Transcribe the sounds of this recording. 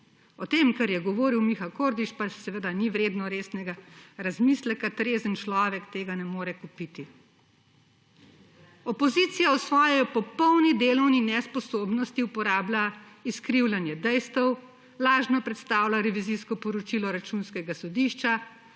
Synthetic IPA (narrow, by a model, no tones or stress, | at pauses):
ɔt̪eːmkaɾjɛɡɔʋoːɾiwmixawkoːɾd̪it͡ʃpasɛʋed̪aniʋɾeːd̪nɔɾeːsnɛɡaɾazmislɛkat̪ɾeːzənt͡ʃlɔːʋɛkt̪eːɡanɛmoːɾɛkupit̪i | ɔpɔzit̪sijaɔsʋɔːjɛɔpɔpɔwnid̪eːlɔwninɛspɔsoːbnɔst̪iupɔɾaːblʲaiskɾiwlʲjanjɛd̪ɛjst̪ɛw | laːʒnɔpɾɛt̪st̪aːwlaɾɛʋiziskɔpɔɾɔt͡ʃilɔɾat͡ʃunskɛɡasɔd̪iʃt͡ʃa